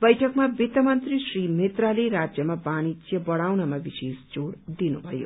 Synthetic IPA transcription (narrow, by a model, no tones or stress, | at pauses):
bʌjʈʰʌkmabit̪ʌmʌnt̪risrimet̪raleɾad͡zjʌmabañid͡zjʌbʌɽ̃awnʌmabisesd͡zoɽd̪inubʱʌjo̰